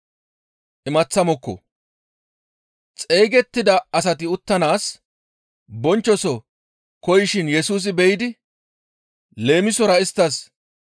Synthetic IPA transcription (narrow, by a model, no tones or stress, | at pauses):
ʔɪmɐt͡sːɐmɔkːɔ̰ | t͡sʼeːɡɛt̪ːɪd̪ɐɐs̬ɐt̪ɪʊt̪ːɐnaːs | bɔnt͡ʃːɔsɔ | kɔjɪʃɪnjɛsuːs̬ɪbɛjɪd̪ɪ | le̞ːmɪsɔɾɐɪst̪ːɐs